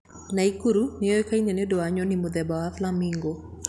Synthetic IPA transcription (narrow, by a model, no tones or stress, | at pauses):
naikuɾunejɔjkainenedoaɲɔnɪmod̪ɛbaaflamiŋɡo